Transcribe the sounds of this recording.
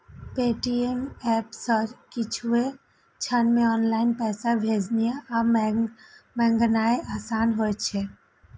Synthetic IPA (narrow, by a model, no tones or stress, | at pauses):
peːʈiemɛpsəkɪt͡ʃʰue | t͡ʃʰənmẽɔːnlaːɪnpɛːsabʱeːd͡ʒnijaʔa | mɛ̃ŋɡənaːeʔaːsaːnɦojt͡ʃʰe